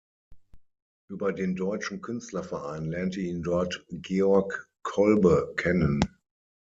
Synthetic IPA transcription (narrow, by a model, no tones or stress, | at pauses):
ʔyːbɐdeːndɔʏt͡ʃn̩kʰʏnstlɐfɛɐʔaɪnlɛɐntəiːndɔɐtɡ̥eːɔɐk | kʰːɔlbəkʰɛnən